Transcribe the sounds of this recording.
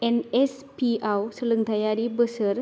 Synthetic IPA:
enes | piawsələŋt̪ʰajaɾibəsəɾ

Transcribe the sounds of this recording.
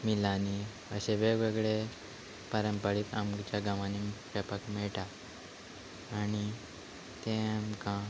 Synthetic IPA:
milani | əɕeʋeʋeɡɭe | pəɾəmpəɽiːt̪a̰mt͡ɕjaɡãʋãniʋapəkmɛɭʈa | ñi | t̪ẽmkã

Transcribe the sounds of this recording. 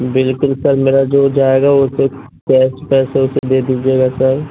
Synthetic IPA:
bɪlkʊlsɐɾmeːɾad͡ʒoːd͡ʒaːeːɡaʊse | kɛːsʈpɛːseʊsed̪eːd̪iːd͡ʒieːɡasɐɾ

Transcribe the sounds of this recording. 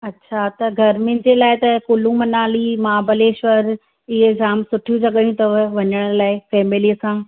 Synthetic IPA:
ɐtːɕʰat̪ɐɡʱɐɾmɪ̃n̆d͡ʑelaːɪt̪ɐkʊlũmɐnaːlimãːbɐleːʃʋɐɾ | ɪɦezaːmsʊʈʰijũt͡ɕɐɠəɽiũt̪ɐʋɐɲəɽ̃laːɪfɛːmɪlisãː

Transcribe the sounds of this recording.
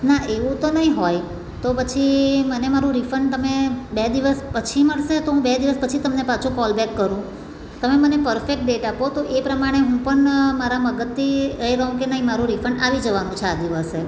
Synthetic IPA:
naʔeʋũt̪onəɦĩɦoj | t̪opət͡ʃʰimənemaɾũɾifəɳɖt̪əmebed̪iʋəspət͡ʃʰiməɭʃet̪oɦũbed̪iʋəspət͡ʃʰit̪əmnepat͡ʃʰũkɔlbɛkːəɾũ | t̪əmemənepəɾfek̚ʈ̚ɖeʈapot̪oʔepɾəmaɽ̃eɦũpəɳmaɾaməɡət̪ʰːiɾəɦiɾəɦũkenəɦĩmaɾũɾifəɳɖaʋid͡ʒəʋanũt͡ʃʰead̪iʋəse

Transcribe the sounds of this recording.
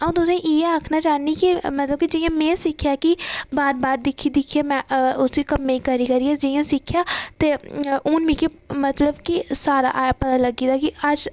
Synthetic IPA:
ãt̪ʊsẽːʔieaːkʰnaːt͡ʃaːniːkimət̪ləb̚kid͡ʒɪjãːmɛ̃ːsɪkʰːjaːkɪbaːɾbaːɾd̪ɪkʰːiːd̪ɪkʰːeːmɛ̃ːʊsiːkəmːẽikəɾiːkəɾiːɛːd͡ʒɪjãːsɪkʰːjaːt̪eːʊːnmĩːkimət̪ləbkisaːɾa̰ːʔaːepət̪aːləɡiːd̪aːkɪəd͡ʒ

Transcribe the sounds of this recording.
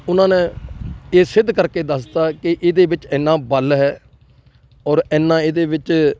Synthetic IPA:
ʊnãːnẽːeːsɪd̪ʱːkəɾkeːd̪əst̪aːkɪʔɪd̪eːbɪt͡ʃɛːnːãːbəlɦɛː | ɔːɾɛːnːãːɪd̪eːʋɪt͡ʃ

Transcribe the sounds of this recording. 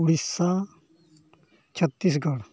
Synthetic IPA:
uɽisːa | t͡ʃʰɐt̪ːis̬ɡɐɽ

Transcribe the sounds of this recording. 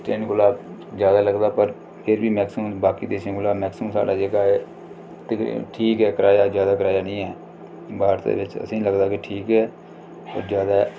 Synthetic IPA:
ʈeːnɡʊlaːb | d͡ʒjaːd̪aːləɡd̪aːpəɾ | pʰɪɾbiːmɛːksuːmbaːkiːd̪eːʃə̃ɡʊlaːmɛːksumsa̰ːɖaːd͡ʒeːɡaːeː | t̪ːʈʰiːkɦɛːkəɾaːjaːd͡ʒjaːd̪aːkəɾaːjaːnəĩːɦɛː | baːɾt̪ḛːʋɪt͡ʃə̰sĩːləɡd̪aːkɪʈʰiːkɛː | pə̰ɾd͡ʒjaːd̪aː

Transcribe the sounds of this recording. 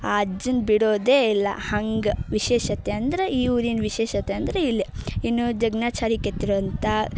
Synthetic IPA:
aːɐd͡ʒɐnbiɽoːd̪eːilːɐ̰hɐŋɡʋiʃɛːʃɐt̪eɐnd̪ɐɾeʔiːʋɾinʋiʃɛːʃɐt̪ːeɐnd̪ɐɾeilːiinːud͡ʒɐɡnaːt͡ʃaːɾikːet̪ːiɾoʋɐnt̪ɐ

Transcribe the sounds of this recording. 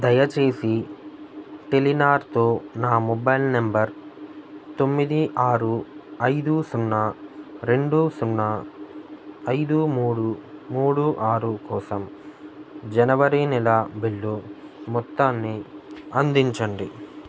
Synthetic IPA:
d̪ɐjɐt͡ʃe̞ːsi | ʈelinaːɾt̪o̞ːnaːmɔbɐjlnembɐɾ | t̪o̞mːid̪iʔaːɾuɐjd̪usunːɐɾe̞ɳɖusunːɐ | ɐjd̪umuːɽumuːɽuʔaːɾukɔːsɐm | d͡ʒɐnɐʋɐɾinɛlɐbiɭːumɔt̪ːaːnːiɐnd̪iɲt͡ʃɐɳɖi

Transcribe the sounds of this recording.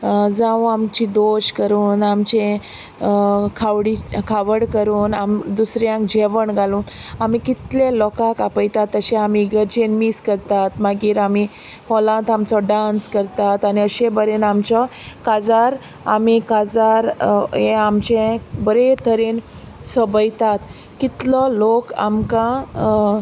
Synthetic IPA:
d͡zãũamt͡ɕid̪oɕkəɾuːnamt͡ɕẽ | kʰaʋɽikʰaʋəɽkəɾuːna̰md̪usɾjãkd͡ʑeʋəɳɡʱaluːnamikit̪lelɔkakapəjt̪at̪ːəɕẽamiɡəɾd͡ʑenmiːskəɾt̪at̪maɡiːɾami | hɔlãt̪amt͡sɔɖãnskəɾt̪at̪aniəɕẽbəɾenamt͡ɕɔkad͡zaɾ | a̰mikad͡zaɾeamt͡ɕẽbəɾet̪ʰəɾen | səbəjt̪at̪ | kit̪lɔloka̰mkã

